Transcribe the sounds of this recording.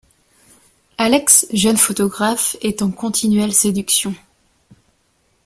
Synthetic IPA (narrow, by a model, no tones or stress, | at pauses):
alɛksʒœnfot̪ɔɡʁafɛt̪ɑ̃kɔ̃t̪ʰinɥɛlsed̪yksjɔ̃